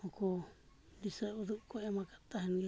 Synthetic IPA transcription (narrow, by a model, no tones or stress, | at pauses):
hoko | nd̪isauðukoʔemãkat̪aɦenĩ